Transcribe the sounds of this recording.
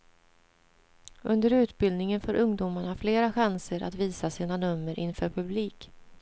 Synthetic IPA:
ʔɵnd̪əɾʉ̟ːt̪bɪld̪nɪŋənfœɾʔɵŋd̪uːmaɳafleːɾaɧansəɾʔa̰t̪viːsasiːnanɵmːəɾʔɪnfœːɾpʰɵbliːk

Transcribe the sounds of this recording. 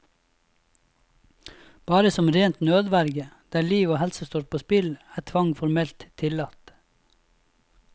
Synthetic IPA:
b̥ɑːɾəsɔmɾeːnt̪nøːd̪ʋæɾɡəd̪̥æːliːʋoːhɛlsəst̪oːɾ̚pʰoːspɪlæːt̪ʰʋɑŋfɔɾmɛlt̪t̪ʰɪlɑt̪

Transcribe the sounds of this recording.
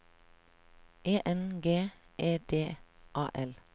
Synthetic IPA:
ʔeːʔɛnɡeːʔeːd̪̥eːʔɑːʔɛl

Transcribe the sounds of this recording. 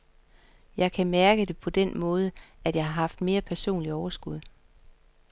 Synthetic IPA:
jɑ̈ɪkʰæmæɐɡ̥əd̥e̝pʰɒ̽d̥enmɔ̽ːð̞ˠəæd̥jɑ̈ɪhɑ̈hɑ̈fd̥me̝ːɐpʰæɐso̝̰ːnliɒʊɐsɡ̥uð̞̰ˠ

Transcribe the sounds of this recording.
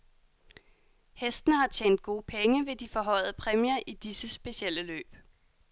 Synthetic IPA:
hesd̥ənəhɑ̈t͡ɕʰjeːnd̥̚ɡ̥o̝ːəpʰeŋəʋe̝d̥ifɒ̽ɦɒ̽ɪ̰ð̩ˠəpʰʁɛmiɐʔid̥isəsb̥e̝ɕiel̰əlø̰ːb̥

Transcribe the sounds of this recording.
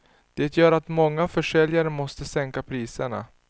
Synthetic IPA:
d̪̥eːt̪ʰjœːɾat̪mɔŋːafœʂɛljaɾəmɔst̪əsɛŋkapʰɾiːsəɳa̰

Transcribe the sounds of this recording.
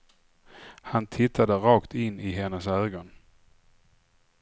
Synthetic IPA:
hant̪ʰɪt̪ʰːad̪əɾɑːkt̪ɪnːɪɦɛnːəsøːɡɔn

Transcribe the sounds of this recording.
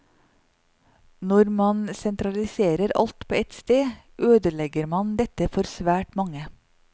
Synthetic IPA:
nɔɾmɑnsɛnt̪ʰɾɑlɪseːɾəɾɑ̰lt̪pʰoːɛt̪st̪eː | ʔøːd̪əlɛɡəɾmɑnd̪ɛt̪əfɔɾsʋæːʈmɑŋə

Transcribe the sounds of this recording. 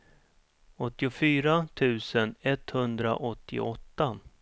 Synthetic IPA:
ɔt̪ːɪʊfyːɾat̪ʰʉ̟ːsənɛt̪hɵnd̪ɾa̰ʔɔt̪ʰːɪ̰ɔt̪ːa

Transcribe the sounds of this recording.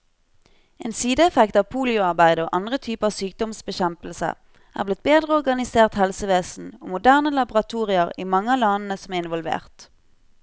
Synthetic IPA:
ʔeːnsiːd̪əɛfɛkt̪ɑːʋpʰuːlɪʊɑʁbæɪd̪əoːʔɑnd̪ʁət̪ʰyːpəɑːʋsyːk̚d̪ɔmsbəçɛmpəlsə̰ | ʔæ̰ːʁblɪt̪̚beːd̪ʁəɔʁɡɑnɪseːʁt̪hɛlsəʋeːsn̩o̰ːmʊd̪æːʁnəlɑbʊʁɑt̪ʰuːʁɪəʁiːmɑŋːəɑlɑnn̩əsɔmæːɪnʋɔlʋḛːʁt̪

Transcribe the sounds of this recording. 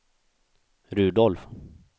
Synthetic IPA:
ɾʉ̟ːd̪ɔlf

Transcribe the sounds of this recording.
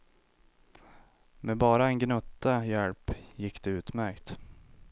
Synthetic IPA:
mɛbɑːɾaɛnɡnɵt̪ːajɛlpjɪkːd̪̥ɛʉːt̪mæɾkt̪

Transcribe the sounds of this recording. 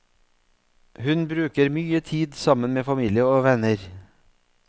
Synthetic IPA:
hʉnbɾʉːkəɾmyːət̪ʰiːd̪sɑmənmeːfɑmiːlɪəoːʋɛnəɾ

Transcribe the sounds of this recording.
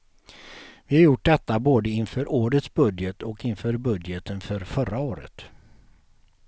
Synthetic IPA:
vɪhaɾjʊʈ̚ːd̪ɛt̪ːaboːd̪əɪnfœːɾʔoːɾət̪sbɵd̪jət̪ʰɔkɪnfœːɾbɵd̪jət̪ʰənfœɾfœɾaoːɾə̰t̪

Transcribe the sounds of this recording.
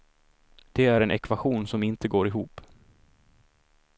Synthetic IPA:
d̪̥ɛæɾɛnʔɛkvaɧuːnsɔmɪnt̪əɡoːɾɪɦuːp

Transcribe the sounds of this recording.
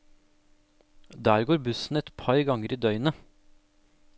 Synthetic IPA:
d̪æːɾɡoːɾbʉsn̩ɛt̪pʰɑɾɡɑŋəɾiːd̪œʏnə

